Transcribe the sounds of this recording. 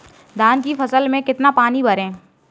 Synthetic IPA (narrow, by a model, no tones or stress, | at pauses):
d̪ʱaːnkifɐsəlmẽkɪt̪napaːnibʱɐɾẽː